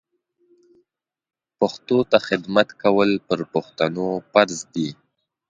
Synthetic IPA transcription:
paxt̪ot̪axɪd̪mat̪kawəlpəɾpʊxt̪anofaɾzd̪i

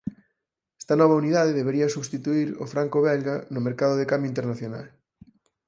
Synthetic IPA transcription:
ɛ̥st̪ɐnɔβ̞ɐuniðað̞eðeβeɾiɐsuβst̪it̪uiɾo̰fɾaŋkoβɛlɣanʊmeɾkaðʊðekambjoint̪eɾnaθjona̰l

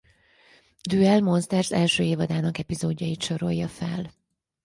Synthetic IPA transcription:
d̪yːɛlmo̞nst̪ɛrsɛlʃøːeːvɒd̪aːnɒkɛpizoːɟːɒjit̪ʃo̞ɾo̞̰jːɒfɛ̰l

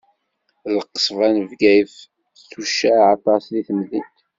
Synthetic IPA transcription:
ləqːsˤvænəvɡæjf | tːuʃːæʕɑt̪ˤɑsliθəmðit̪

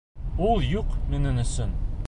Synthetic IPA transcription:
ulˠjuqmɘ̆nɘnɵ̆sɵn

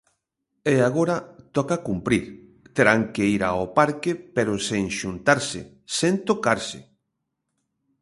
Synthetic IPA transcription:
eaɣoɾat̪ɔkakumpɾiɾ | t̪eɾaŋkeiɾaopaɾkepeɾoseŋʃunt̪aɾsɪ̰ | sent̪okaɾsɪ̰

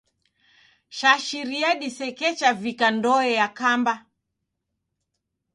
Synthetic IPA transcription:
ʃaʃiɾiaɗisɛkɛt͡ʃavikandɔɛjakamba

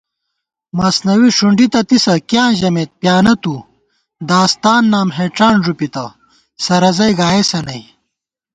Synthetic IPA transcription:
mɐsnɐwiʂuɳɖit̪ɐt̪isɐkjãːʑɐmeːt̪̚pjaːnɐt̪u | d̪aːst̪aːnːaːmɦeːʈ͡ʂaːnʐupit̪ɐ | sɐɾɐzɐjɡaːjesɐnɐj

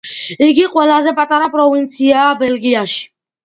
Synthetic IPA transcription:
iɡiqʼwɛlazɛpʼat̪ʼaɾapʼɾɔvint̪sʰiaːbɛlɡiaʃi̥

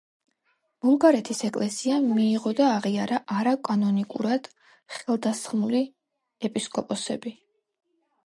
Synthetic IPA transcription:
b̥umɡaɾɛt̪ʰisɛkʼlɛsiamiːʁɔd̪aːʁiaɾaʔaɾakʼanɔnikʼṵɾad̪̥ | χɛlˠd̪asχmuli | ɛpʼiskʼɔpʼɔsɛbi

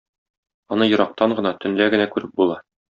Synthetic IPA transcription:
ɒnɤjɤ̆ɾɑq̚t̪ɑɴɢɤ̆nɑt̪ɵ̆nlæɡɘ̆nækʉɾɘp̚bulˠɑ

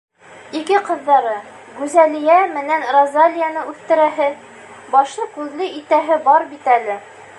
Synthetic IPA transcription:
ikɘqɤ̆ðːɑɾɤ | ɡʉzælijæmɘ̆nænrozalʲijanɤʉθt̪ɘ̆ɾæɦɘ | bɒʃlˠɤkʉðlɘʔit̪æɦɘbɒɾbit̪ælɘ

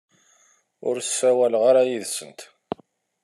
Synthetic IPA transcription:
ʊ̰ɾsːæwælʁaɾajiðsənt̪

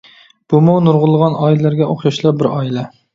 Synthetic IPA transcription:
b̥umuwnuɾʁʊlˠːəʁɑnʔɑillæɾɡʲɛʔoχjɑʃlˠɑp̚bɪɾɑilɛ

